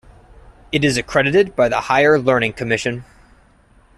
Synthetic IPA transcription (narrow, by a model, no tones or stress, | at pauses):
ɨɾɨzɨkʰɹ̥ɛɾɨɾɨd̚baɪðəhaɪə˞lɜ˞nɪ̃ŋkʰɨmɪʃɨ̃n